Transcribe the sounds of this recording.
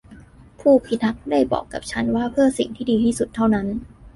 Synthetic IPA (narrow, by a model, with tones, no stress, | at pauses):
pʰuː˥˩pʰi˦˥t̪̚ʰːa˦˥k̚da˥˩jbɔ̰ː˨˩kːa˨˩p̚t͡ɕʰa˦˥nwaː˥˩pʰɯ˥˩ɐsḭ˨˩ŋt̪ʰiː˥˩diː˧t̪ʰiː˥˩su˨˩t̪ʰːa˥˩wna˦˥n